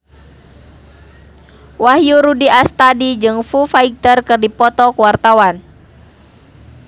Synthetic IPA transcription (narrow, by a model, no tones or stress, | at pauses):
wahjuɾudiast̪adid͡ʒɨŋfufaik̚t̪ərkɨrdipɔt̪ɔkuwart̪awan